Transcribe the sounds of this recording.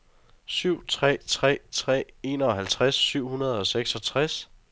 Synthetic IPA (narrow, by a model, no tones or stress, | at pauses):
syʊ̰t͡sʰʁɛ̰ːt͡sʰʁɛ̰ːt͡sʰʁɛ̰ːe̝ːnɒɒɦælt͡sʰʁasːyʊ̰hunɐð̞ˠɒ̽seɡ̥sɒ̽t͡sʰʁas